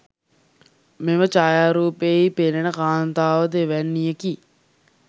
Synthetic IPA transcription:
meʋət͡ʃaːjaːɾuːpeipenenəkaːnt̪aːʋəd̪eʋɛnːijəki

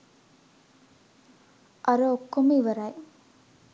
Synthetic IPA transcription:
ʔɐɾɐokːomuiʋɐɾɐj

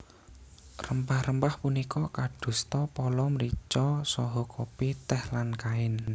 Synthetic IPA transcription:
rəmpahrəmpahpunikɔkaɖ̥ṳst̪ɔpɔlɔmɾit͡ʃɔsɔɦɔkʰopit̪ɛhlankaɪn

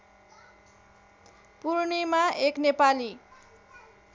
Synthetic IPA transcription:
puɾnimaeknepali

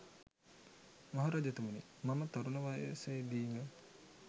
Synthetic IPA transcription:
maɦoɾad͡ʒɐt̪umuni | mamət̪oɾunəʋaḛseːd̪iːŋə

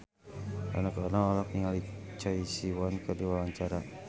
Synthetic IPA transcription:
a̰nakɔnaŋɔlɔk̚niŋalit͡ʃɔisiwankəduawaɲt͡ʃaɾa

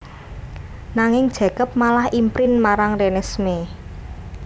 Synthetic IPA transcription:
naŋɪŋd̥ʒ̥ä̤kəp̚malahimpɾɪnmaɾaŋrenɛsme

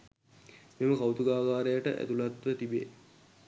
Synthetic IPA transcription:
meməkawt̪uɡaːɡaːɾejəʈə̰ʔæ̰t̪ulat̪ʋət̪ibḛ

